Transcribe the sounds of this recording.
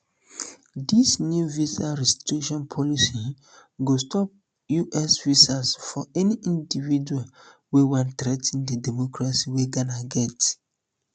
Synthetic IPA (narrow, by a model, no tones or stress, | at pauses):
disnjuvisaɾistikʃɔ̃npʰɔlisi | ɡostɔp̚ | juʔɛsvisasfɔɛniʔĩndivid͡ʒual | wewãntɾɛtʰĩndədɛmɔkɹasiweɡanaɡɛt